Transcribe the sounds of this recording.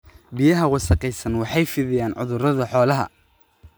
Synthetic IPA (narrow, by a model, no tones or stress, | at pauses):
bɪjɐɦɐwɑsɐqɛjsɐnwɑħɑjfɪðɪjaːnʕʊ̰ðʊɾɐðɐħɔːlɐɦɐ̰